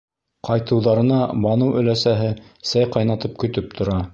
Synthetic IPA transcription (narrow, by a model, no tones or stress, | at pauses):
qɑjt̪ɤ̆wðɑɾɤ̆nɑbɑnɤwɵ̆læsæɦɘ | sæjqɑjnɑt̪ɤp̚kɵ̆t̪ɵp̚t̪ʰŏɾɑ